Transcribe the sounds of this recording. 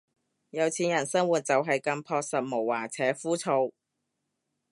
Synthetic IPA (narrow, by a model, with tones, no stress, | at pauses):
jɐ˨˧wt͡sʰiː˨˥njɐ˨˩nsɐ˥ŋwuː˨t̚t͡sɐ˨wɦɐ˨jkɐ˧mpʰɔː˧k̚sɐ˨t̚mo˨˩wːaː˨˩t͡sʰɛː˨˥fuː˥t͡sʰo˧w